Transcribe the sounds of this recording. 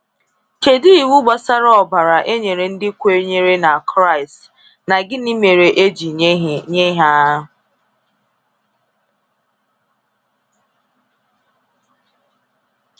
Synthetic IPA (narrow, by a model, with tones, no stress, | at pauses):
ke˨di˦i˨wu˦ɡ͡ba˨sa˦ɾɔ˨ba˨ɾa˨ʔe˦ɲe˨ɾe˨n̩˦dɪ˦kʷe˦ɲe˦ɾe˦na˨kɾa˦ɪ˨st | na˨ɡɪ˦ni˦me˨ɾe˨ʔe˦d͡ʒi˨˦ɲe˦ɦa˦ʊ˨